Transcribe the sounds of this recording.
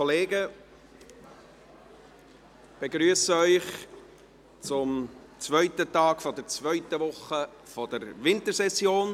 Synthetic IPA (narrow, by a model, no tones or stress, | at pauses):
ɔleːɡə | b̥eɡɾyəsəœʏχ | t͡sʊm | t͡svœʏt̪ətɑːɡfɔdəɾt͡svœʏt̪əʋʊχə | fɔd̥əɾʋɪnt̪əɾsɛsjoːn